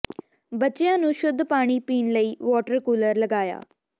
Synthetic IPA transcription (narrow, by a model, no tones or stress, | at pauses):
bətːʃɪjãːnũːʃʊd̪ʱpaːɽ̃iːpiːnləiːʋɔːʈəɾkuːləɾləɡaːja̰ː